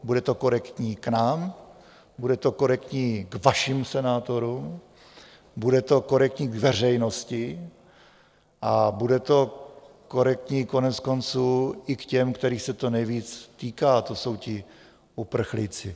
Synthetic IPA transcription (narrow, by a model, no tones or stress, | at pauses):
budɛt̪o̞ko̞ɾɛkt̪ɲiːknaːm | budɛt̪o̞ko̞ɾɛkt̪ɲiːɡvaʃɪmsɛnaːt̪o̞ɾum | budɛt̪o̞ko̞ɾɛk̚t̪ɲiːɡvɛr̝ɛjnoscɪ | ʔabudɛt̪o̞ | ko̞ɾɛk̚t̪ɲiːko̞nɛt͡sko̞nt͡suːɪkcɛmkt̪ɛɾiːxsɛt̪o̞nɛjviːt͡st̪iːkaːt̪o̞so̞wcɪ | ʔupr̩xlɪt͡sɪ